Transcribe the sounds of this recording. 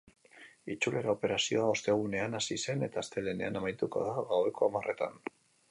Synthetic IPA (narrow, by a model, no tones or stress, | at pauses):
it͡ʃule̞ɾao̞pe̞ɾasio̞ao̞st̪e̞ɣ̞une̞anasise̞ne̞t̪aːst̪e̞le̞ne̞̰anamajt̪uko̞̰ðaɣawe̞ko̞amare̞t̪a̰n